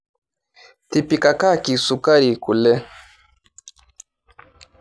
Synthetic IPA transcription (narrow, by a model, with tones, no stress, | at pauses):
ti˨pi˨ka˨ka˦ki˨su˨ka˦ɾi˨ku˨lɛ˦